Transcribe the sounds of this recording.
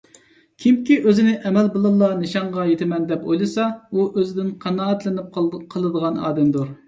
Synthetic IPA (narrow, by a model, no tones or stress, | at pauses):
kʲʰimkʲiʔøzɪnɪʔɛmɛlbolˠɑlˠːɑnɨʃɑɴʁɑjet̪ʰɪmɛnd̪ɛpojlˠɨsɑuʔøzɪd̪ɪnqʰɑnɑːɑt̪lɪnɪp̚qqʰəlˠɨd̪əʁɑnɑ̰ːd̪ɛmd̪uɾ